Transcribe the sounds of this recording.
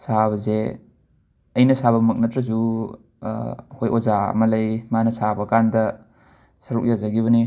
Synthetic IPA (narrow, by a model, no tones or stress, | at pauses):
saβɐze | ɐjnɐsaβɐmɐk̚nɐtɾɐzu | hojʔozaɐ̰mɐlɐjmanɐsabɐkandɐ | sɐɾuk̚jazaɡiβɐni